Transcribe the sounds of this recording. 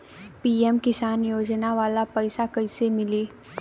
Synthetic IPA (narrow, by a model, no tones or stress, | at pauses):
piːemkɪsaːnjoːd͡ʒnaʋaːlapɛɪsakɐɪsemɪliː